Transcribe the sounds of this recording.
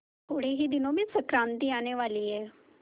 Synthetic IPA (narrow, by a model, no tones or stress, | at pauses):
t̪ʰoːɽeːɦiːd̪ɪnõːmẽːsəkɾãːnt̪iːaːneːʋaːliːɛː